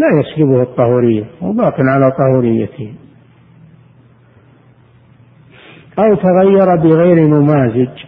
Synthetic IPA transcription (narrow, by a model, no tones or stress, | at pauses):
lajaslɪbʊhɨt̪ˤːɑhuːɾɪjːawbaːqɪnʕalat̪ˤɑhuːɾɪjːa̰t̪ɪ | ʔawt̪aɣajːɑɾˤɑbɪɣeːɾinʊmaːzɪd͡ʒ